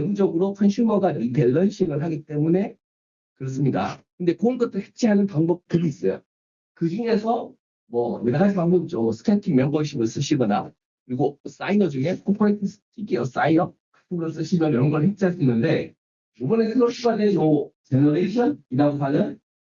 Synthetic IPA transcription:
eɡud͡ʑʌɡɯɾokʰanɕʰumʌɡaiteɭːʌnɕʰiɡɯɭɦaɡit͈e̞mune̞ | kɯɾʌs̬͈ɯmɲida̰kɯnde̞koɯnɡʌt͈ʰɯɭhek̚t͡ɕʰiɦanɯnpaŋbʌk̚t͈ɯɾiis͈ʌjo̰ | kɯd͡ʑiŋe̞sʰʌ | mwʌmeɾad͡ʑibaŋbɯt͡ɕosʰɯ̥tʰentʰimjʌŋɡʌɕ̬ʰiɡɯɭs͈ɯɕʰiɡʌna̰ | kɯɾiɡos͈ainʌd͡ʑuŋe̞kʰopʰoek̚tʰstʰiɡiʌs͈ainʌkʰḁtʰɯɾɯɭs͈ɯɕʰimʌnjʌɾʌnɡʌɭhep̚t͡ɕ͈ʰiɦaɭs͈uinːɯnde̞ | ubʌnesʌɕʰiɡaneot͡ɕenʌɾeitʰɯniɾaɡos̬ʰanɯn

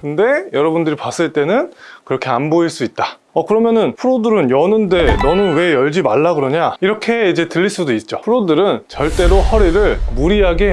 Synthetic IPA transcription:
kɯnde̞jʌɾʌbundɯɾipas͈ɯɭt͈e̞nɯnkɯɾʌkʰe̞anboiɭs͈uit̚t͈a | ʌkɯɾʌmjʌnɯnpʰuɾodɯɾɯnjʌnɯnde̞nʌnɯnwe̞jʌɭd͡ʑimaɭːaɡɯɾʌɲaiɾʌkʰe̞id͡ʑe̞tɯʎːiɭs͈udoit̚t͡ɕ͈opʰuɾodɯɾɯnt͡ɕʌɭt͈e̞ɾohʌɾiɾɯɭmuɾiɦaɡe̞

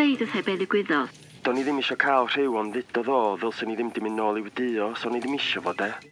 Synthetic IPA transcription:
ejdɔθɛbeːðɪɡ̥wɪðɔð | d̥ɔniðɪmɪʃɔkʰalˠr̥ɪwɔnðɪdɔðɔːðɛlˠsəniðɪmdɪmɪnɔlˠiwdɨɔsɔniðɪmɪʃɔvodɛ

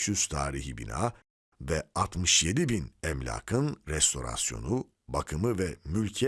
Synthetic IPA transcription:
ʃyz̥t̪ʰaːɾiɦibḭna̰ː | vɛat̪mɯʃje̞d̪ibinɛmlʲa̰ːkʰɯnɾɛst̪ʰo̞̰ɾa̰sjo̞̰nu | bakʰɯmɯvɛmylʲcʰɛ

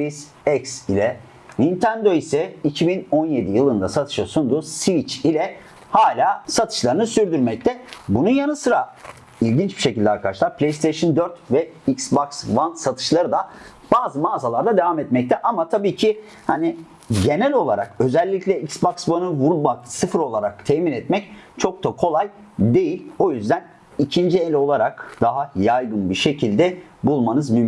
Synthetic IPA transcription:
is | ɛcsilʲɛ | nint̪ʰænd̪o̞isɛicʰibinonje̞d̪ijɯlˠɯnd̪asat̪ʰɯ̥ʃasund̪usvit͡ʃilʲɛ | haːlʲaːsat̪ʰɯ̥ʃlˠaɾɯnɯsyɾd̪yɾmɛc̚t̪ʰɛbununjanɯsɯɾa | ilʲɟint͡ʃbi̥ʃecilʲd̪ɛaɾkʰad̪aʃlˠaɾpʰlʲejst̪ʰeʃɯnd̪øɾt̪vɛicsbaksvansat̪ʰɯ̥ʃlˠaɾɯd̪a | baːzɯmaːzalˠaɾd̪ad̪evaːmɛt̪mɛc̚t̪ʰɛʔamat̪ʰabiːcʰi | hani | ɟe̞nɛlʲo̞lˠaɾa̰kø̞zɛlʲːiclʲɛicsbaksvanɯvuɾmaksɯfɯɾo̞lˠaɾak̚t̪ʰɛminɛt̪mɛc | t͡ʃʰo̞k̚t̪akʰo̞lˠaj | d̪e̞jilʲo̞jyzd̪æn | icʰind͡ʒielʲo̞lˠaɾakd̪̥aɦajajɡɯnbiʃe̞cʰilʲd̪ɛ | bulˠmanɯzmym

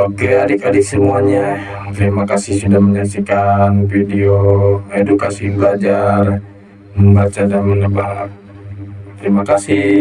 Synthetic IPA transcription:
aɡadikadisəmuaɲa | t̪əɾimakasisudahməɲaksikanfidioedukasibəlad͡ʒar | məmbat͡ʃadamənəbaɦat̪̚ | t̪əɾimakasi

